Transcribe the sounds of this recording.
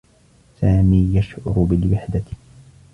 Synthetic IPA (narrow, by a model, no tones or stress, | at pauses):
saːmiːjaʃʕʊ̰ɾʊbɪlwɪħd̪a